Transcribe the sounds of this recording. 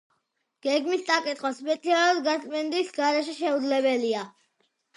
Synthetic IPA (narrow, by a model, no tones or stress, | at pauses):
ɡ̥ɛɡmist̪ʼakʼit̪χɔspʼɛt̪sʰialad̪ɡaɾt̪ʼmɛnd̪isɡaɾɛʃɛʃɛud̪zlɛbɛlia